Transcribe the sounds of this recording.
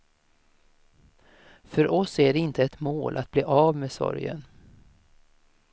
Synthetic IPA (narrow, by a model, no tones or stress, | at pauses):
fœɾʔɔsæɖɛɪnt̪ʰəɛt̪moːlʔat̪̚bliːʔɑvmeːsɔ̰ɾjə̰n